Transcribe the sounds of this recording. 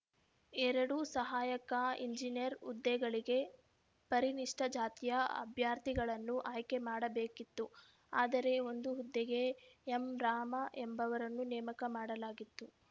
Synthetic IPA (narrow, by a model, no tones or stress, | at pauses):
ɛɾɐɽusɐɦaːjɐkaiɲd͡ʒinijɐɾud̪ːɛɡɐɭiɡe̞ | pɐɾiniʂʈɐd͡ʒaːt̪ijɐɐ̰bʱjaːɾt̪iɡɐɭɐnːuʔaːjke̞maːɽɐbeːkit̪ːu | aːd̪ɐɾe̞o̞nd̪uɦud̪ːɛɡe̞ːmɾaːmɐʔembɐʋɐɾɐnːunɛːmɐkɐmaːɽɐlaːɡit̪ːu